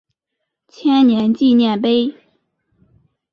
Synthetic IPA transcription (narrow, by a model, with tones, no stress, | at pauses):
t͡ɕʰjɛ˥nnjɛ˧˥nt͡ɕi˥˧njɛ˥˩npe˥ɪ